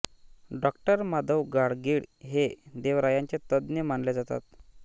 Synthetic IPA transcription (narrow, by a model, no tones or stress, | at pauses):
ɖɔk̚ʈəɾmad̪əwɡaɽɡiɽɦed̪eʋɾajaɲt͡ɕet̪əd̪njəmaɳled͡zat̪a̰t̪